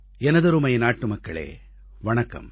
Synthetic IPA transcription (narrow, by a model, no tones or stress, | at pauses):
ɛnɐðɐɾɯmɐjnaːʈːɯmɐkːɐɭḛː | ʋɐɳɐkːɐ̰m